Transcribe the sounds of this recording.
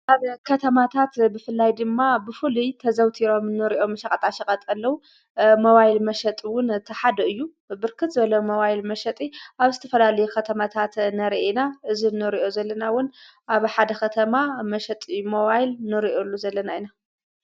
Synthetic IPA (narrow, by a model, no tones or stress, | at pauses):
ʔaβkʰɐt̪ʰɐmat̪ʰat̪bɨfɨlːajd̪ɨmːabɨfɨlujt̪ʰɐzɐwt̪ʰiɾo̞mɨnːɨɾiʔo̞mːɐʃɐkʼɐt̪ʼaʃɐkʼɐt̪ʼɐlːɐwu | mɐβajlmɐʃɐt̪ʼwʊnt̪ʰɐħad̪ɐɨjːu | bɨɾkʰɨt̪zɨβɐlɐmɐβajlmɐʃɐt̪ʼiʔaβzɨt̪ʰɐfɐlalɐjukʰɐt̪ʰɐmat̪ʰat̪nɐɾiʔenaʔɨzinɨɾiʔo̞zɐlːɐnawʊn | ʔaβħad̪ɐxɐt̪ʰɐmamɐʃɐt̪ʼɨjːumɐβajlnɨɾiʔolːuzɐlːɐnajna